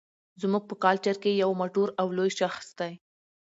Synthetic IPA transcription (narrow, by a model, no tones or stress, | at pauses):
zmuɡ̚pəkɑlt͡ʃaɾkejawmoʈoɾawlojʃaxsd̪aj